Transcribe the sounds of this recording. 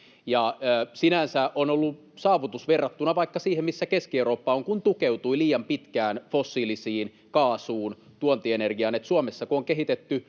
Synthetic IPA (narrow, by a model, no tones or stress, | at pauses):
jɑsinænsæʔonolːu | sɑːʋut̪usʋerːɑt̪ːunɑʋɑikːɑsiːhemmisːækeskiewroːpːɑoŋkunt̪ukeut̪uiliːjɑmpit̪kæːnfosːiːlisiːn | kɑːsuːn | t̪uont̪ienerɡiɑnet̪suomesːɑkuoŋkeɦit̪et̪ːy